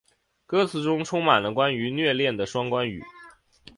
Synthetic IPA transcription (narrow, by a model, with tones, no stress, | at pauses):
kɤ˥t͡sʰɹ̩˧ʈ͡ʂʊ˥ŋʈ͡ʂʰʊ˥ŋma˨˩nlə˦kwa˥ny˧˥nɥɛ˥˧ljɛ˥˩nd̪ə˩ʂwɑ˥ŋkwa˥ny̰˨˩˦